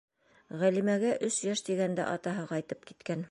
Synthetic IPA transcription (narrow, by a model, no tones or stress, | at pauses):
ʁælimæɡæʔɵsjæʃt̪iɡænd̪æ̰ʔɑt̪ɑɦɤqɑjt̪ɤp̚ki̥t̪kæn